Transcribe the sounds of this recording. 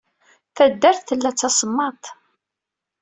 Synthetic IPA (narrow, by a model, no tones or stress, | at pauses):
θæd̪ːæɾθθəlːæt͡sːɑsəmːɑt̪ˤ